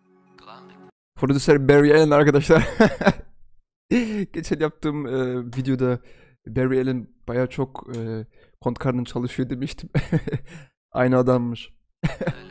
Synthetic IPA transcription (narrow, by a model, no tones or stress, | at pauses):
foɾod̪ysæɾbæɾielʲinaɾkad̪aʃlˠaɾ | ɟ̥et͡ʃʰælʲjap̚t̪ʰɯːmɯːvid̪jo̞d̪a | bæɾielʲinb̥ajaːt͡ʃʰo̞kɯː | kʰo̞nt̪kʰaɾnɯnt͡ʃʰalˠɯʃɯjo̞d̪ilʲmiʃt̪ʰim | a̰jnɯad̪amːɯʃ